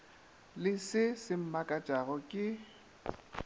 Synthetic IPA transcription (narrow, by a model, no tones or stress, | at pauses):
lɪsɪsɪm̩makʼat͡ʃʼaɣɔkʼɪ